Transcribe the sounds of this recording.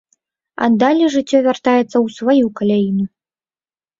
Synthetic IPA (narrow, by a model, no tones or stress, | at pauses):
a̰d̪alʲɛʐɨt͡sʲːɔvʲart̪ajɛt̪sːɐwsvajukalʲajinu